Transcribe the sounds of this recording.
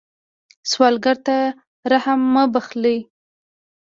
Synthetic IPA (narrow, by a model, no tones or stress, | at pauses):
swɑlɡaɾt̪a | ɾahamːəbaxləj